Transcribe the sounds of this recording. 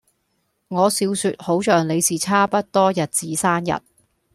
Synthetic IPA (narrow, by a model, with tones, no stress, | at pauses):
ŋɔː˨˧siː˨˧wsy˨˧t̚ho˨˥wt͡ʃœː˨ŋle˨˧jsiː˨˩t͡sʰaː˥pɐ˥t̚t̪ɔː˥jɐ˨t̚t͡siː˨˥saː˥njɐ̰˨t̚